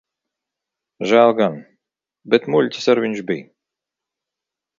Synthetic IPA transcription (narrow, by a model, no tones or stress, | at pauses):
ʒælˠɡan | bʲɛt̪mulʲt̪ʲɪ̥saɾvʲinʲʃbij